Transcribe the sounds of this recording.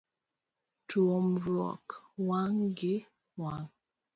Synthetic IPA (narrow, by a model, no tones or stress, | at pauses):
tuomɾɔ̰kwaŋɡe | waŋ